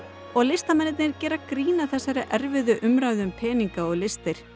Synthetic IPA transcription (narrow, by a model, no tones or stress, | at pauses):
ɔɣlɪst̪amɛnɪt̪̚nɪɾcɛːɾakɾiːnaθɛsːaɾɪʔɛɾvɪðʏʔʏmɾajðʏmpʰɛːniŋkaɔɣlɪst̪ɪɾ̥